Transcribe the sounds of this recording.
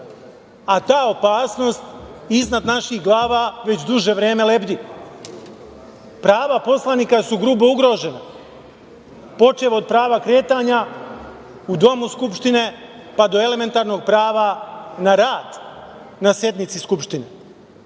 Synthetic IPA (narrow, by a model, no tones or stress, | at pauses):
at̪aːo̞paːsno̞ːst̪iznad̪naʃixɡlˠaːʋaʋe̞t͡ɕd̪uʒe̞ʋɾeːme̞lebd̪i | pɾaːʋapo̞slˠaniːkasuɡɾuːbouɡɾo̞ːʒe̞na | po̞t͡ʃe̞ʋod̪̚pɾaːʋakɾe̞ːt̪aːɲa | ud̪o̞muskupʃt̪ine̞ | pad̪o̞e̞le̞me̞nt̪aɾno̞ːɡ̚pɾaːʋanaɾaːd̪̥ | nasje̞d̪nit̪siskupʃt̪ine̞